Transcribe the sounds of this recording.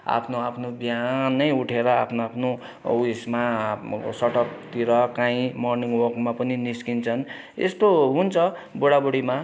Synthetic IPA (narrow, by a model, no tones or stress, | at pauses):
a̰pʰnoapʰnobjanʌjuʈʰeɾʌa̰pʰnoapʰno | usma | sʌʈʌk̚t̪iɾʌkãĩmʌrniŋɡwʌrkmapʌniniskint͡sʰʌn | ḛst̪oɦunt͡sʰʌ | boɽaboɽima